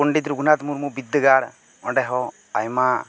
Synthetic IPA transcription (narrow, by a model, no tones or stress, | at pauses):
uɳɖit̪ɾuɡunat̪muɾmubid̪ːəɡaɽ | ɔɳɖɛɦɔ | a̰jma